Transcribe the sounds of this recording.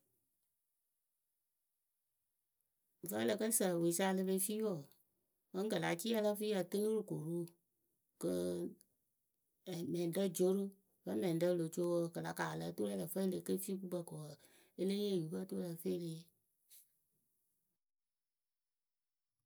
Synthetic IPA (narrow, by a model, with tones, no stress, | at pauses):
və˦lə˨kə˦sə˨we˨˦sa˧˦˧lɨ˧be˧˦fi˦wo˨ | mə˦ŋ˦kə˨la˨t͡ʃi˦ɛ˦lə˦fi˦a˨tə˦ŋo˦ɾu˨ko˨ɾu˦ | kə˧˨ | mɛ̃˨də˦d͡ʒo˦ɾu˦ | fə˦mɛ̃˨n˨də˦lo˨t͡ʃo˦wkə˨la˨˧kaː˨lə˨˦to˦ɾɛ˦lə˨fə˦le˨kə˦fi˦ku˦bə˧˨kɔ˨w | e˦le˦je˦˨ju˨˦bə˦to˦ɾə˧˨fe˦le˧˦